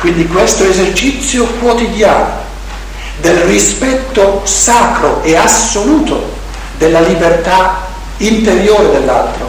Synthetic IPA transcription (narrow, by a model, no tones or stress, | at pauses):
kwind̪ikwest̪oezert͡ʃit̪sːjokwot̪id̪jaːno | d̪elrispɛt̪ːosaːkɾoeasːoluːt̪o | d̪elːalibert̪a | int̪eɾjoːɾed̪elːa̰lt̪ɾo̰